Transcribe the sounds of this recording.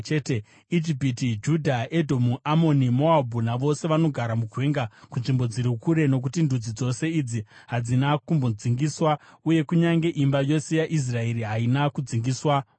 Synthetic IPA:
t͡ʃete | id͡ʒipitid͡ʒudʱaedʱomuʔamo̞nimo̞abʱunaʋo̞se̞ʋano̞ɡʱaɾamuɡʱweːŋɡakunʐimbo̞d͡ziɾukuɾe̞no̞k̬utindud͡zid͡zo̞se̞id͡ziɦad͡zinakumbod͡ziŋɡiswauje̞kuɲaŋɡe̞ʔimbajo̞se̞jaʔis̬rae̞ɾiɦainakud͡ziŋɡiːswa

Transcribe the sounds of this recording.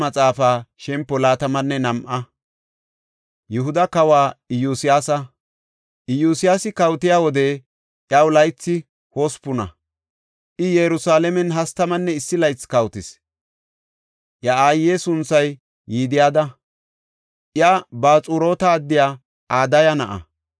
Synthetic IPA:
mɐt͡sʼaːfaːʃɛmpːɔlaːt̪ɐmɐnːɛnɐmʔɐ | jɛhʊd̪ɐkɐwaːɪjusɪjaːsɐ | ʔɪjuːsɪjaːsɪkɐwt̪ɪjaːwɔd̪ɛ | ʔjɐwʊlɐjt͡sːɪ | hɔspʊnɐ̰ | ʔɪjɛɾʊsaːlɛmɛnɦɐst̪ɐmɐnːɛɪsːɪlɐjt͡sːkɐwt̪ɪs | ʔjɐaːjːesʊnt͡sːɐjː | iːd̪ɪjaːd̪ɐ | ʔjabaːt͡sʼuɾo̞ːt̪ɐːd̪ːɪjaː | aːd̪ɐjɐnɐʔɐ̰

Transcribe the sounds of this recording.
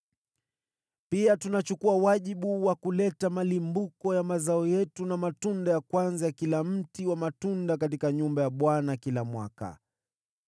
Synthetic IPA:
piatunat͡ʃukuawaʄiɓuwakulɛtamalimbukɔjamazaɔjɛtunamatundajakwanzajakilam̩tiwamatundakat̬ikaɲumbajaɓwanakilamwa̰ka̰

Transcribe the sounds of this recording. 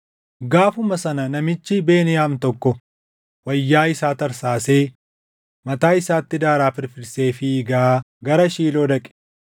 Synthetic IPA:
ɡaːfʊmɐsɐnɐnɐmɪt͡ʃːɪbe̞ːnɪjaːmt̪ɔkːɔ | wɐjːaːɪsaːt̪ɐɾsaːseː | mɐt̪aːɪsaːt̪ːɪd̪aːɾaːfɪɾfɪɾse̞ːfɪːɡaː | ɡɐɾɐʃiːlo̞ːd̪ɐkʼɛ̥

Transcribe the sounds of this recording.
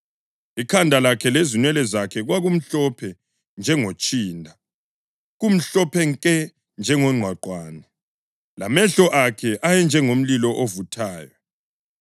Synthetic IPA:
ikʰandʱalakʰɛlezinwɛlɛzakʰɛɣwaɣum̩ɬɔpʰɛ | nd͡ʒʱɛŋot͡ʃʼiːndʱa | ɣum̩ɬɔpʰɛŋkʼɛ | nd͡ʒʱɛŋɔŋ͡ǀʱwaǃwaːnɛ | lamɛɬɔʔakʰɛʔajɛnd͡ʒʱɛŋom̩lilɔʔovutʰaːjɔ

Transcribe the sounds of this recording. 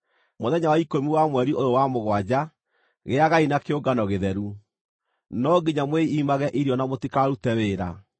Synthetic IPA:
moðɛɲawaikomiwamwɛɾiʔoɾowamoɣwad͡ʑa | ɣeaɣainakeoɡanɔɣeðɛɾu | nɔɡiɲamweiːmaɣɛʔiɾiɔnamotikaɾutɛweːɾa̰

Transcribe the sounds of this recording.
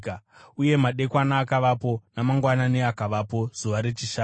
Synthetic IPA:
uje̞maɗe̞kwanaːkaʋapo̞namaŋɡwananeakaʋapo̞z̥uʋaɾe̞t͡ʃiʃa

